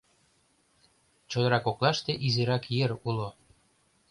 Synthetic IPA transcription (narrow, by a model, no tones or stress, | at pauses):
t͡ɕod̪ɤ̆ɾɑkoklɑʃt̪eʔizeɾɑkjeɾulo